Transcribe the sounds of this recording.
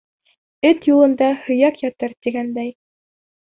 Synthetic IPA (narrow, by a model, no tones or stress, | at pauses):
ɘt̪julˠɤ̆nd̪ɑhɵ̆jɑkjɑt̪ɤɾt̪iɡænd̪æj